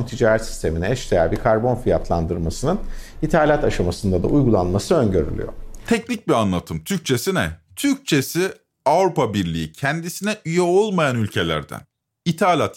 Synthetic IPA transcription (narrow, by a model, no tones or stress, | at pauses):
nt̪ʰid͡ʒaːɾɛt̪si̥st̪ʰe̞miniɛʃt̪ejæɾbiɾkʰaɾbo̞nfijat̪ʰlˠand̪ɯɾmasɯnɯnit̪ʰaːlʲat̪aʃamasɯnd̪ad̪a̰ujɡulˠanmasɯø̞nɟø̞ɾy̰lʲy̰jo̰t̪ʰɛcnic̚bianlˠat̪ʰɯmt̪ʰyɾc̚t͡ʃʰe̞sinɛ̰t̪ʰyɾc̚t͡ʃʰe̞si | avɾupabiɾlʲḭicʰɛnd̪isinɛʔyjɛo̞lˠmajanylʲcʰe̞lʲæ̰ɾd̪æ̰n | it̪ʰaːlʲat̪